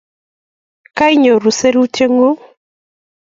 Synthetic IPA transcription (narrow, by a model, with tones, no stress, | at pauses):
ka˦i˦ɲo˨ɾu˨se˦ɾi˦u˦te˦ŋɡo˦